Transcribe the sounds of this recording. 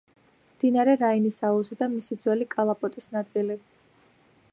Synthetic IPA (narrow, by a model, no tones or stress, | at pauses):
md̪inaɾɛɾainisauzid̪amisid̪zwɛlikʼalˠapʼɔt̪ʼisnat̪sʼili